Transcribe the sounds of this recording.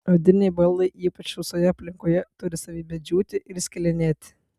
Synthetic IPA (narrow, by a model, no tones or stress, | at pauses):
od̪ʲɪnʲɛɪbɐlˠd̪ɐɪʔiːpɐt͡ʃʋʲɪsoːjɛɐpʲlʲɪŋkoːjɛt̪ʊɾʲɪsɐːʋʲiːbʲɛd͡ʒʲuːt̪ʲɪʔɪɾsʲkʲɪlʲɛnʲeːt̪ʲɪ̥